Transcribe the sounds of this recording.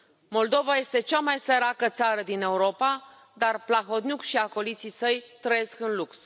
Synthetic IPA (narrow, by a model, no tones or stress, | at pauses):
mo̞ld̪o̞vaje̞st̪e̞t͡ʃamajseɾakət̪saɾəd̪ine̞uɾo̞pa | d̪arplaɦo̞t̪njukʃiako̞lit̪sisəjt̪ɾəje̞skɨnluks